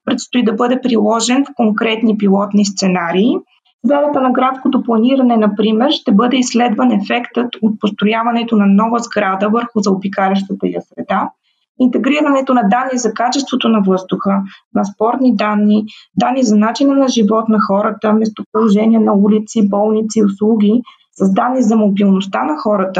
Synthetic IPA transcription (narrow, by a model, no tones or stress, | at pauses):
pɾɛt̪st̪oid̪ɐbɤd̪ɛpɾilˠɔʒɛnfkoŋkɾɛt̪nipilˠɔt̪nist̪sɛnaɾiː | zvɾad̪ət̪ənɐɡɾat̪skot̪oplˠɐniɾɐnɛnɐpɾimɛɾʃt̪ɛbɤd̪ɛislɛd̪vɐnɛfɛkt̪ət̪ot̪̚post̪ɾojavɐnɛt̪onɐnɔvəzɡɾad̪əvəɾxuzɐobikalʲɛʃ̬t̪ət̪əijɐsɾɛd̪a | int̪ɛɡɾiɾɐnɛt̪onɐd̪anːizɐkat͡ʃɛst̪vot̪onɐvɤzd̪ʊxənɐspɔɾt̪nid̪anːid̪anːizɐnat͡ʃinənɐʒivɔt̪nɐxɔɾət̪əmɛs̬t̪opɾolˠoʒɛniɛnɐulit̪sibɔlˠnit̪siʊslˠuɡʲi | sɐzd̪anːizɐmobilˠnost̪anɐxɔɾət̪ə